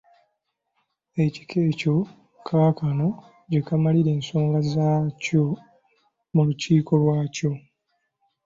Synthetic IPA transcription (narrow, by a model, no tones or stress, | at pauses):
e̞ci̥kʰeːco̞ | kʰakano̞ | ɟe̞kamaliɾe̞ːnso̞ːŋɡazaːco | muluciːko̞βwaːco̞